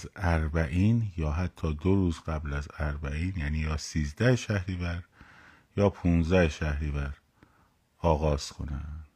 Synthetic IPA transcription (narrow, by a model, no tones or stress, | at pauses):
zæɾbæʔiːnjɒːɦæt̪ʰːɒːd̪oɾuːzɡæblæzæɾbæiːnjæːniːjɒːsiːzd̪æheʃæhɾivæɾ | jɒːpʰunzæheʃæhɾivæɾ | ɒːɣɒːz̥kʰo̰nænd̪̥